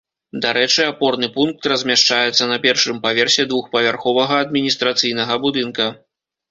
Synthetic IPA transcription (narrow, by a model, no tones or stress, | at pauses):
d̪aɾɛt͡ʂɨapɔrnɨpunk̚t̪rɐzʲmʲaʂt͡ʂajɛt̪sːɐnɐpʲɛrʂɨmpavʲɛrsʲɛd̪vuxpɐvʲarxɔvɐɣɐːd̪̚mʲinʲist̪ɾat̪sɨjnɐɣɐbud̪ɨnkɐ